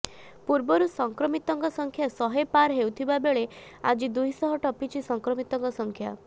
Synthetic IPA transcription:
puɾbɔɾusɔŋkɾɔmit̪ɔŋkɔsɔŋkʰjasɔɦepaɾɦewt̪ʰibabeɭe | ad͡ʒid̪uɦisɔɦɔʈɔpit͡ʃʰisɔŋkɾɔmit̪ɔŋkɔsɔŋkʰja̰

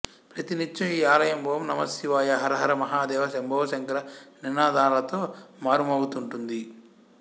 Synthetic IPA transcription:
pɾɐt̪init͡ʃt͡ʃɐiːaːlɐjɐmbʱoːmnɐmɐsiʋaːjɐɦɐɾɐɦɐɾɐmɐɦaːd̪ɛːʋɐʃembʱɐʋɐʃɐŋkɐɾɐninaːd̪aːlɐt̪oːmaːɾumɐwut̪uɳʈund̪i

